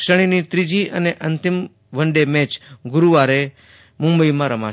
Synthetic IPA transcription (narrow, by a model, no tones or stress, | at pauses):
ʃəɽ̃init̪ɾid͡ʒiʔəneʔənt̪ɪm | ʋəɳɖemɛ̃t͡ʃɡʊɾuʋaɾe | mʊ̃mbəimãɾəma̰